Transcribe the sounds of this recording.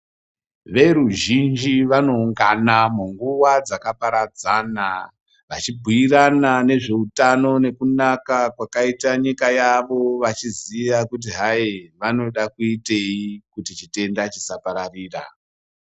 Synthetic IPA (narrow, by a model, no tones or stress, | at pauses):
ʋe̞ɾuʒind͡ʒiʋano̞uŋɡanamuŋɡuwad͡zakapaɾad͡zana | ʋat͡ʃibʱuiranane̞ʐe̞utano̞ne̞kunakakwakaitaɲikajaʋo̞ʋat͡ʃiziʋakut̬iɦaiʋano̞ɗakuite̞ikutit͡ʃite̞ndat͡ʃisapaɾariːra̰